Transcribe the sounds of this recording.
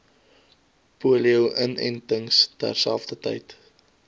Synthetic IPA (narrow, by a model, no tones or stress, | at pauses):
puəliəwʔənɛ̰ntəŋstæ̰rsælˠfdətə̰jt